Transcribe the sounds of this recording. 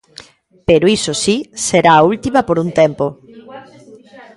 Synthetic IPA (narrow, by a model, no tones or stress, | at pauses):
peɾoisosiseɾaːult̪imɐpoɾunt̪empo